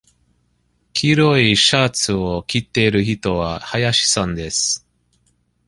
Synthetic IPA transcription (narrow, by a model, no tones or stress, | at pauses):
kʲʰiɾo̞iɕaːt͡sɨokʲit̪ːe̞iɾɯ̟çit̪o̞βahajaɕi̥sãnd̪e̞sɨ̥